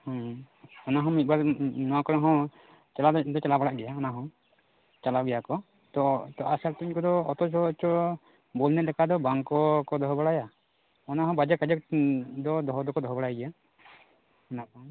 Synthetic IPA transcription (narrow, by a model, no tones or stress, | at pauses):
hɔ̃ | ɔnaɦɔ̃mit̪̚ˀbaɾnɔwakɔɾɛɦɔ̃ | t͡ʃɛlad̪ɔt͡ʃɛlabaɽaʔɡɛjaɔnaɦɔ̃ | t͡ʃalawɡɛjakɔ | t̪ɔt̪ɔʔasaɾt̪iɲkɔd̪ɔɔt̪ɔt͡ʃɔt͡ʃɔ | bɔlnɛlɛkad̪ɔbaŋkɔkɔd̪ɔɦɔbaɽaja | ɔnaɦɔ̃bad͡ʒɛkad͡ʒɔk̚d̪ɔd̪ɔɦɔd̪ɔkɔd̪ɔɦɔbaɽajɡɛja | ɔnabaŋ